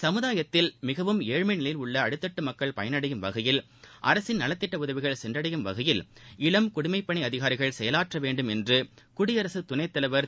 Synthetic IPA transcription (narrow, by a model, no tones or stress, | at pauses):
sɐmɯðaːjɐt̪ːɪlmɪɣɐʋɯmeːɻmɐɪnɪlɐjɪlʊɭːɐːɽɯt̪ːɐʈːɯmɐkːɐɭpɐjɐnɐɽɐjɯmʋɐɣɐjɪl | ʔɐ̰ɾɐsɪnnɐlɐt̪ːɪʈːɐʊðɐʋɪɣɐɭsɛndrɐɽɐjɯmʋɐɣɐjɪlɪɭɐmkʊɽʊmɐɪpːɐɳiɐðɪɣaːɾɪɣɐɭsɛjɐlaːʈrɐʋeːɳɖɯmɛndrɯ | kʊɽɪɐɾɐsɯt̪ʊnɐɪt̪ːɐlɐɪʋɐɾ